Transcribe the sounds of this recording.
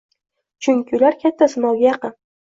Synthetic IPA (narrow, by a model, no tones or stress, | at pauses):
t͡ʃʰʊŋʲkʲɪʊlaɾkʲʰat̪ʰːasɪmɒwɡʲajɑqɨn